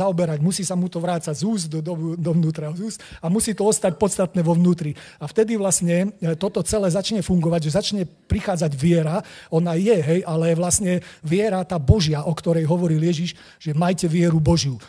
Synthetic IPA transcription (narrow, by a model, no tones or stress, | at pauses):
aɔbɛɾaɟmusiːsamut̪ɔʋɾaːt͡saɟzuːzd̪ɔd̪ɔd̪ɔʋnuːt̪ɾaɦɔzuːsamusiːt̪ɔɔst̪ac̚pɔt̪st̪at̪nɛːʋɔʋnuːt̪ɾi | aft̪ɛd̪iʋlasɲɛt̪ɔt̪ɔt͡sɛlɛːzat͡ʃɲɛfuŋɡɔʋaɟʒɛzat͡ʃɲɛpɾixaːd͡zaɟʋɪɛɾaɔnajɛɦɛjʔalɛʋlasɲɛʋɪɛɾat̪aːbɔʒɪaʔɔkt̪ɔɾɛjɦɔʋɔɾiljɛʒiʃ | ʒɛmajcɛʋɪɛɾubɔʒju